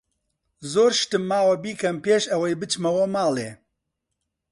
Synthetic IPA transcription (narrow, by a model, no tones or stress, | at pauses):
zoːɾʃt̪ɨmːaːwɐbiːkʰɐmpeːʃɐwɐjbɨt͡ʃmɐwɐmaːleː